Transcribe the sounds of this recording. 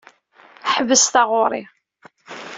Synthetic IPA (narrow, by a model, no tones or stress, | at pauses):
ħəvəsθaʁʊɾˤḭ